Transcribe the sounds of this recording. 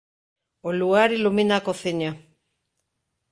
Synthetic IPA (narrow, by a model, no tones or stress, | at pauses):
oluɣaɾiluminakoθiɲa